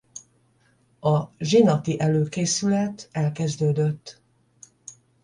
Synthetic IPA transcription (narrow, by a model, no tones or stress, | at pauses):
ɒʒinɒt̪iʔɛløːkeːsylɛt̪ɛlkɛzd̪øːd̪øt̪ː